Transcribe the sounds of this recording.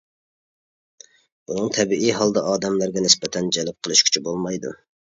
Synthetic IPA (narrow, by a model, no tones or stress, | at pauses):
bunɨŋt̪ʰɛbiijɦɑlˠd̪ɑʔɑːd̪ɛmlæɾɡʲɛnɪspɛt̪ʰɛnd͡ʒɛlɪp̚qʰəlˠɨʃkʲʰy̥t͡ʃʰybolˠmɑjd̪ṵ